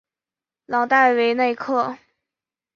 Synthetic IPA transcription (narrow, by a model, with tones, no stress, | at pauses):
lɑ˨˩ŋt̪a˥˩ɪwe˧˥ɪne˥˧ɪkʰɤ˥˩